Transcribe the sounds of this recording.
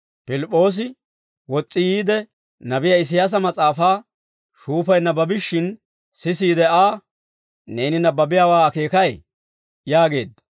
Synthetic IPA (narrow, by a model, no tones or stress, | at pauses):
pɪlɪpʼːo̞ːs̬ɪ | wɔt͡sʼːɪjiːd̪ɛ | nɐbɪjɐɪs̬ɪjaːs̬ɐmɐt͡sʼaːfaː | ʃuːfɐjnːɐbɐbɪʃːɪn | sɪs̬iːd̪ɛaː | ne̞ːnɪnɐbɐbɪjaːwaːke̞ːkɐj | jaːɡe̞ːd̪ːɐ